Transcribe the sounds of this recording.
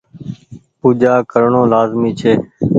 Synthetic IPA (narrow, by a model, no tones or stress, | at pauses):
puːd͡ʒaːkəɾɳõːlaːzmiːt͡ʃʰeː